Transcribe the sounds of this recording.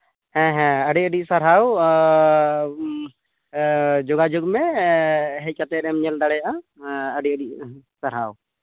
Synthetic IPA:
ɛ̃ɦɛ̃əɖiəɖisaɾɦaw | d͡ʒɔɡad͡ʒuɡmɛ | ɦɛc̚kat̪ɛɾɛmɲɛld̪aɽɛjaʔaəɖiəɖiʔ̚saɾɦaw

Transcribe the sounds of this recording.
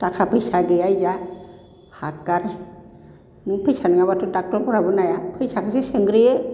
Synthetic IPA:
takʰapʰɯjsaɡɯjajza | hakaɾ | nɯŋpʰɯjsanŋabatʰudak̚tɔɾkʰɔɾabɯnajapʰɯjsakʰɯsesɯŋɡɾijɯ

